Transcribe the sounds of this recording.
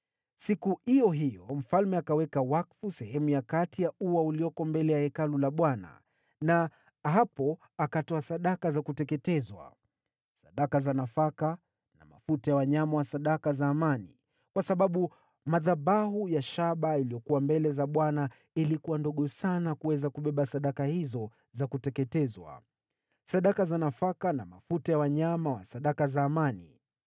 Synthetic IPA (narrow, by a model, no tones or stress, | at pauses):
sikuhijɔɦijɔm̩falmɛakawɛkawakfusɛɦɛmujakatijauwauliɔkɔmbɛlɛjahɛkalulaɓwana̰ | na | ɦapɔ | akatɔasaɗakazakutɛkɛtɛzwa̰ | saɗakazanafaka | na̰ma̰futajawaɲamawasaɗakazaːmani | kwasaɓaɓu | maðaɓaɦujaʃaɓailijɔkuwambɛlɛzaɓwana | ilikuwandɔɠɔsanakuwɛzakuɓɛɓasaɗakahizɔ | zakutɛkɛtɛzwa̰ | saɗakazanafakanamafutajawaɲamawasaɗakazaːmanḭ